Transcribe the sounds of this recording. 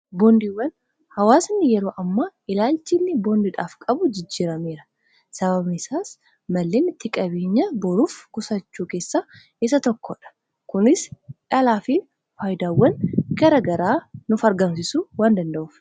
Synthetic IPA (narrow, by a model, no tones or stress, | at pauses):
boːnd̪iwːɐn | hɐwaːsnːɪjɛɾo̞ːʔɐmːaʔɪlaːlt͡ʃːɪnːɪboːnd̪iᶑaːfkʼɐbʊd͡ʒɪd͡ʒːiːɾɐme̞ːɾɐ | sɐβɐbnɪsaːs | mɐlːeːnɪt̪ʰːɪkʼɐbeːɲːɐbɔɾuːfkʊsɐt͡ʃːuːke̞ːsːaː | ɪs̬ɐt̪ɔkːɔːᶑɐ̥ | kʊnɪsᶑɐlaːfɪ | faːjd̪aːwːɐnɡɐɾɐɡɐɾaːnʊfɐɾɡɐmsɪsuwaːnd̪ɐnd̪ɐʔuːf